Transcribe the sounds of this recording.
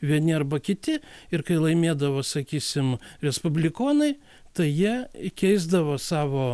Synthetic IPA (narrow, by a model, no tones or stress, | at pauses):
ʋʲiɛnʲɪɐrbɐkʲɪt̪ʲɪɪɾkɐɪlˠɐɪmʲeːd̪ɐʋoːsɐkʲiːsʲɪmɾʲɛspʊbʲlʲɪkoːnɐɪ | t̪ɐɪjiɛkʲɛɪzd̪ɐʋoːsɑːʋoː